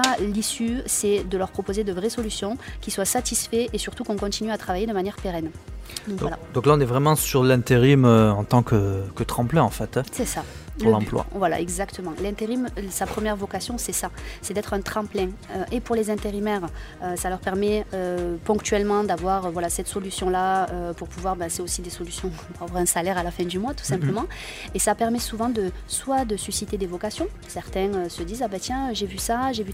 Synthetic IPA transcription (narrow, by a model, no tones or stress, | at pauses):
alisysɛd̪əlœʁpχɔpozed̪əvʁɛsɔlysjɔ̃kʲiswasat̪isfɛʔesyʁt̪ukɔ̃kɔ̃t̪inyat̪χavajed̪əmanjɛʁpeʁɛnd̪ɔ̃kṽwalad̪ɔ̃klaɔ̃nɛvʁɛmɑ̃syʁlɛ̃t̪eʁimøɑ̃t̪ɑ̃kəkət̪χɑ̃plɛ̃ɑ̃fɛt̪sɛsalɑ̰̃plwa̰vwala̰ʔɛɡzakt̪əmɑ̃lɛ̃t̪eʁimsapχəmjɛʁvɔkasjɔ̃sɛsasɛd̪ɛt̪χɛ̃t̪χɑ̃plɛ̃øʔepuʁlezɛ̃t̪eʁimɛʁ | øsalœʁpɛʁmɛøpɔ̃kt̪ɥɛlmɑ̃d̪avwaʁvwalasɛt̪sɔlysjɔ̃laøpuʁpuvwaʁbɛsɛosid̪esɔlysjɔ̃ | puʁavwaʁɛ̃salɛʁalafɛ̃d̪ymwat̪u̥sɛ̃pləmɑ̃ | esapɛʁmɛsuvɑ̃d̪əswad̪əsysit̪ed̪evɔkasjɔ̃ | sɛʁt̪ɛ̃øsəd̪izabat̪jɛ̃ʒevysaʒevy